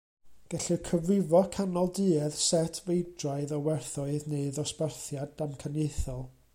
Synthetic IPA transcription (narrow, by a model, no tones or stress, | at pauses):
ɡ̥ɛɬɨkʰəvrɪvɔkʰanɔlˠdɨɛð̥sɛtʰvejdraɨðɔwɛrθʊɨðneɨðɔspərθjadamkʰanejθɔlˠ